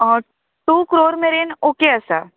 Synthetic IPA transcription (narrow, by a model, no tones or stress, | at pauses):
ɔ | ʈuːkɾoːɾmeɾenoːkeɐsa